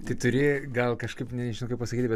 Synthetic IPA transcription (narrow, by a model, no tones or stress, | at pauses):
t̪ɐɪt̪ʊɾʲeːɡɐlˠkɐʃkɐɪpnʲɛnʲʒɪnɐʊkɐɪpɐsɐkʲiːt̪ʲbʲɛ